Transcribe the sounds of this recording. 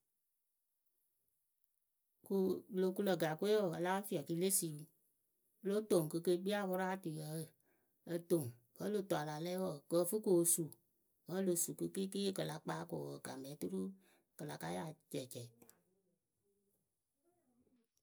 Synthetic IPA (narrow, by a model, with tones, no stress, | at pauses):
ku˨lo˨ku˧lə˨ɡa˨ku˦e˦wɔ˨ə˨la˦fi˦a˨ki˧le˦si˨˦ | lo˦to˨ŋ˨kɨ˧ke˦ɓi˦a˦˨wɔ˦ɾa˦˨ti˨jə˨˦˨ | ə˦to˨ŋkə˨˦lo˨tɔ˨a˨la˨lɛ˦wɔ˨kə˦˨fu˦ko˨su˨ | ɣə˦lo˨su˨kɨ˧ke˦ke˦e˦kə˨la˨k͡paː˦ko˨ə̰˨ka˨mɛ˨˦tu˦ɾu˦ | kə˨la˨ka˦ja˦˨t͡ʃɛ˨t͡ʃɛ˨